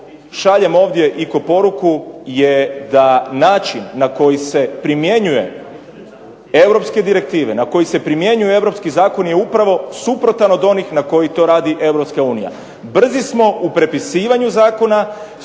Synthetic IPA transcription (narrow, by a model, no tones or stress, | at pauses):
ʃaʎe̞mo̞ːʋd̪je̞ʔiko̞po̞ɾukujed̪anaːt͡ʃinːako̞jise̞pɾimje̞ɲuje̞̰ | e̞wɾo̞pske̞d̪iɾe̞k̚t̪iːʋenako̞jise̞pɾimje̞ɲujee̞ʋɾopskizaːko̞nje̞upɾaʋo̞supɾo̞t̪ano̞d̪o̞nixnako̞jit̪o̞ɾaːd̪iʔe̞wɾo̞pskauːnija̰ | br̩zismo̞upɾe̞pisiːʋaɲuzaːko̞na